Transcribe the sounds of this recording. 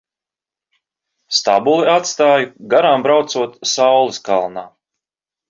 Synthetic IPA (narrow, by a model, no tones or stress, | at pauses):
st̪a̰bulˠiat̪st̪aːjɡaɾaːmbɾawt̪suɔt̪sawlˠiskalˠnaː